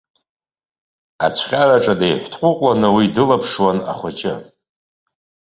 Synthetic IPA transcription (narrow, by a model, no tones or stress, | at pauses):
a̰t͡ɕʷʰχʲaraʈ͡ʂʼadejħʷtʰʼqʷʼʊqʼlanɨwidɨlapʰʂwana̰χʷat͡ʃʼɪ